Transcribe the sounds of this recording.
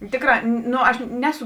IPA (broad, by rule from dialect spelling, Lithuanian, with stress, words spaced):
ˈtʲeːkrɑː ˈnoː ɐʃ ˈnʲæːˌsʊ